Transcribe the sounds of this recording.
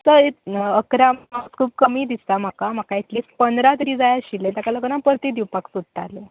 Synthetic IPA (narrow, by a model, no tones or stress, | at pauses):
səit̪əkɾamaskʰuːb̚kəmiːd̪ist̪am̤akam̤akait̪lispənd̪ɾat̪ɾiːd͡zajaɕilːẽt̪akaləkənãpəɾt̪iːd̪ipaksud̪̚ʱt̪a̰le